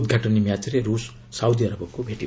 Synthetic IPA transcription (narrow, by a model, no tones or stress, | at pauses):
d̪̚ɡʱaʈɔnimjat͡sɾeɾusː | awd̪iʌɾəbɔkobʱeʈi